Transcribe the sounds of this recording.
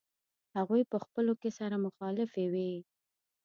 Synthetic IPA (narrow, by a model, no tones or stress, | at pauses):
haɣujpəxpəlokesaɾamʊxɑlɪfewi